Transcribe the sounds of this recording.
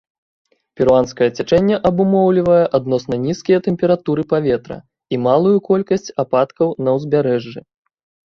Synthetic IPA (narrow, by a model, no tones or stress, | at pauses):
pʲɛɾuanskɐjɐt͡sʲat͡ʂɛnʲːɛʔɐbumɔwlʲivɐjɛʔad̪nɔsnɐnʲiskʲijɐt̪ɛmʲpʲɛɾat̪uɾɨpavʲɛt̪ɾɐ̰ | imalˠujukɔlʲkɐsʲt͡sʲapat̪kɐwnɐwzʲbʲaɾɛʐːɨ